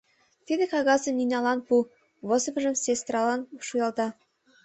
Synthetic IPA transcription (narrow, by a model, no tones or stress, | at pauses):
t̪id̪ɘ̆kɑɣɑzə̆mninʲɑlˠɑnpu | βɤ̆zɤ̆m̆ʒə̆msest̪ɾɑlˠɑnʃujɑlˠd̪ɑ